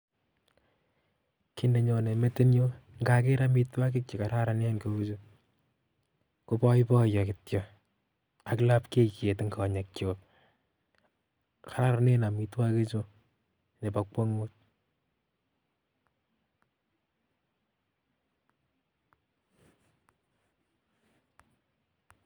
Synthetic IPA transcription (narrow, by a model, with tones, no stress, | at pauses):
ki˦nde˨ɲɔ˨ne˨me˦te˦njo˦ŋɡa˦ke˦ɾa˦mi˦twa˦k̬ɪ˦k̚t͡ʃɔ˨ka˨ɾa˦ɾa˨ne˦nko˦u˦t͡ʃo˦ | ku˦pɔ˦jpɔ˦jɔ˨kɪtjɔ | a˨kla˦pke˦kje˨tŋɡɔ˨ɲa˨kt͡ʃjo˨p̚ | ka˨ɾa˦ɾa˨ne˦na˨mi˨twa˦ke˦t͡ʃo˦ | ne˨pa˨k͡pwɔ˦ŋu˦t̚